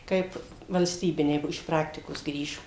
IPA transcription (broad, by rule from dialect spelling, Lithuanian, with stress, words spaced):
ˈkɐɪp ʋɐlʲsʲˈtʲiːbʲɪnʲɛɪ ˈbuɔ ɪʃ ˈprɑːktʲɪkoːs ˈɡrʲiːʒoː